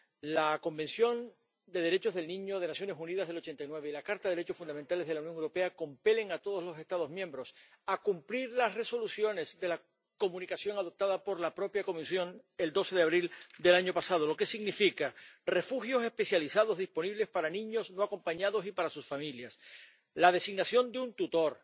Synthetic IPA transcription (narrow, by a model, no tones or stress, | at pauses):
lako̞mbe̞nsjo̞n | d̪e̞ð̞e̞ɾe̞t͡ʃo̞zðelnĩɲo̞ð̞e̞nasjo̞ne̞sunið̞azðelo̞t͡ʃe̞nt̪ajnweβe̞ilakaɾt̪aðeɾet͡ʃo̞sfund̪ament̪ale̞zðelawnjoŋewɾo̞pe̞ako̞mpe̞le̞ŋat̪oð̞o̞zlo̞se̞st̪að̞o̞zmjẽmbɾo̞s | akumpliɾlasre̞so̞lusjo̞ne̞zðe̞la | ko̞mũnikasjo̞ŋaðo̞p̚t̪aðapo̞ɾlapɾo̞pjako̞misjo̞ŋe̞ld̪o̞se̞ðeaβ̞ɾild̪e̞laɲo̞pasað̞o̞lo̞ke̞siɣnifikare̞fuxjo̞se̞spe̞sjalisaðo̞zðispo̞niβle̞spaɾanĩɲo̞sno̞ako̞mpaɲaðo̞sipaɾasusfamiljas | lað̞e̞siɣnasjo̞nd̪eunt̪ut̪o̞ɾ